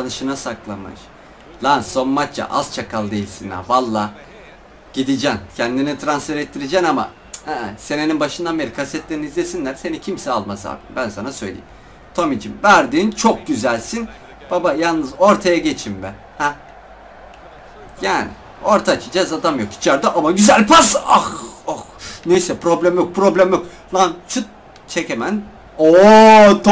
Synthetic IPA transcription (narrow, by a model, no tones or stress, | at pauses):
anɯʃɯnasaklˠamɯ̰ʃ | lˠansːo̞nmat͡ʃt͡ʃa̰ʔa̰z̥t͡ʃʰakʰalˠd̪ejilʲsina̰valˠːaː | ɟ̥id̪id͡ʒæncʰænd̪init̪ʰɾansfeɾɛt̪ʰːiɾid͡ʒænama̰ | hɛse̞neninbaʃɯnd̪ammeɾikʰasɛt̪lʲe̞ɾinizlʲe̞sinlʲæɾ̥se̞nicʰimsɛalˠmaza̰ːbimbænsanasø̞̰jlʲḛjim | t̪ʰomid͡ʒimvæɾd̪iːnt͡ʃʰo̞k̚ɟyzælʲsin | b̥abajalˠnɯzo̞ɾt̪ʰajaɟe̞t͡ʃʰimbæ̰n | hɛ | jaːnḭ | o̞ɾt̪ʰat͡ʃʰɯd͡ʒazad̪amjo̞ki̥t͡ʃʰaɾd̪aʔamaɟyzælʲpʰasaxoxnejsɛpɾo̞blʲæmjok̚pʰɾo̞blʲæmjo̞k̚ | lˠant͡ʃʰut̪̚ | t͡ʃʰe̞cemæn | ot̪ʰ